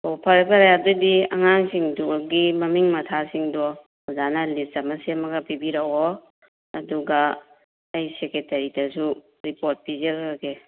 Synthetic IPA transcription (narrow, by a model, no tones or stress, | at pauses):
opʰɐɾapaɾajadudiɐŋaŋsiŋduɡimɐmiŋmɐtʰasiŋdɔ | uzanɐlistɐmɐsemɐɡɐpibiɾawɔ | ɐduɡa | ejseketɐɾidɐsu | ɾipoɾt̚pizɐkake